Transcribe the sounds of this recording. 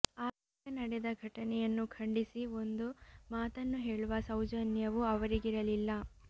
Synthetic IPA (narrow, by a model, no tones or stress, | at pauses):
aːt̪ikɐnɐɽɛd̪ɐɡʱɐʈɐnɛjɐnːukʰɐɳɖisio̞nd̪umaːt̪ɐnːuɦe̞ːɭuʋɐsɐwd͡ʒɐnjɐʋuɐʋɐɾiɡiɾɐlilːɐ